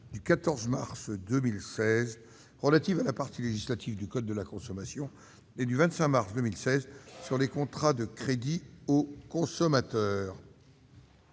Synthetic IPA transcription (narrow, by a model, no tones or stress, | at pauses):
d̪ykat̪ɔʁzmaʁsd̪əmilsɛz | ʁəlat̪ivalapaʁt̪ʰileʒislat̪ʰivd̪ykɔd̪̚ːəlakɔ̃sɔmasjɔ̃ | ed̪yvɛ̃t̪sɛ̃maʁsd̪əmilsɛzsyʁlekɔ̃t̪χad̪əkχed̪iokɔ̃sɔmat̪œːʁ